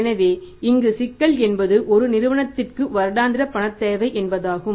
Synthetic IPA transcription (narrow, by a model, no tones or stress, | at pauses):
nɐʋeːɪŋɡɯsɪkːɐɭɛnbɐðɯʔɔɾɯnɪɾɯʋɐɳɐt̪ːɪrkɯʋɐɾɯɽaːnd̪ɪɾɐpːɐɳɐt̪ːeːʋɐɪʔɛnbɐðaːɣɯm